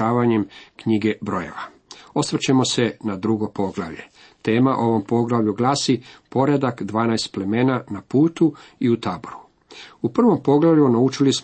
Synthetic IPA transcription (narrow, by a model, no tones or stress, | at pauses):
aːʋaɲe̞mkɲiɡe̞bɾo̞je̞̰ʋa | o̞sʋr̩t͡ɕe̞mo̞se̞nad̪ɾuɡo̞po̞ɡlˠa̰ʋʎe̞̰ | t̪e̞ːmaʔo̞ʋo̞mpo̞ɡlˠaʋʎuɡlaːsipo̞ɾed̪akd̪ʋaːnajst̪̚ple̞me̞ːnanapuːt̪u | iut̪aːboɾu | upr̩ʋo̞mpo̞ɡlaʋʎʲjunaut͡ʃilis